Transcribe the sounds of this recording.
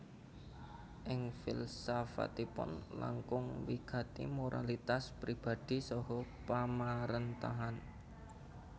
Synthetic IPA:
ʔɪŋfɪ̰lsafa̰t̪ipʊ̰nla̰ŋkʊŋwiɡ̥ä̤t̪ḭmoɾʔalit̪aspɾib̥a̤d̪̥i̤sɔɦɔpamaɾənt̪aɦan

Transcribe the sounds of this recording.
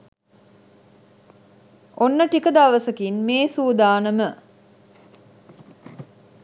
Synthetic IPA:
onːəʈikəd̪aʋəsəkinmeːsuːd̪aːnəmə

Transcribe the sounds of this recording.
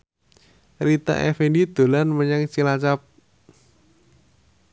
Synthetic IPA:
rit̪a̰ʔɛ̰findid̪̥o̤lanməɲaŋt͡ʃilat͡ʃap̚

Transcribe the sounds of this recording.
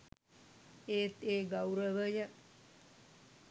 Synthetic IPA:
eːt̪eːɡawɾəʋəjə

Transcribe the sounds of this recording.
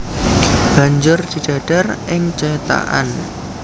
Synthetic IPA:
b̥a̤ɲd͡ʒʊrt͡ʃid̥a̤ɖ̥a̤rʔɪŋt͡ʃɔt̪a̰ʔa̰n

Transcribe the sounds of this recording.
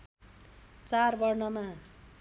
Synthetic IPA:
t͡sarbʌrnʌma

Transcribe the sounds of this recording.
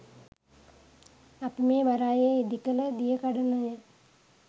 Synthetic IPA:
apimeːʋaɾaːjeid̪ikələd̪ijəkaɖənəjə

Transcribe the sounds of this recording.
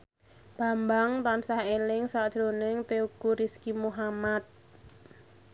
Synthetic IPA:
b̥a̤mbaŋt̪ansahelɪŋsaʔd̥ʒ̥ɾo̤nɪŋt̪eukuɾiskimuɦamat̪̚

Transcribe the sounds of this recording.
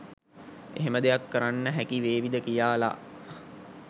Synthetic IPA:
ḛɦeməd̪ejakːəɾanːəɦækiʋeːʋid̪əkijaːla̰

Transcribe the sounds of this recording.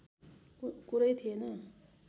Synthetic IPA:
kuɾʌjt̪ʰienʌ

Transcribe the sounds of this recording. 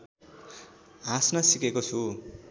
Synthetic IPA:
ɦãsnasikekot͡sʰu

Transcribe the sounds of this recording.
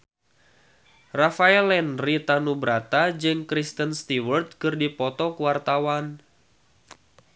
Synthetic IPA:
rafaɛlɛnrit̪anubɾat̪ad͡ʒɨŋkɾist̪ənst̪iwərt̪̚kɨrdipɔt̪ɔkuwart̪awan

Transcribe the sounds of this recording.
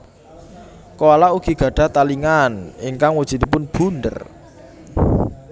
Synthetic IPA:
koalaʔuɡ̥i̤ɡ̥ä̤ɖ̥ä̤t̪aliŋaniŋkaŋwud̥ʒ̥i̤d̪ipʊnb̥ṳnd̪ə̰r

